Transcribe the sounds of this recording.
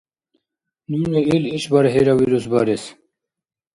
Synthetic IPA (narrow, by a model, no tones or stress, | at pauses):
nuneiliɕbaɾɦeɾawiɾus̬baɾes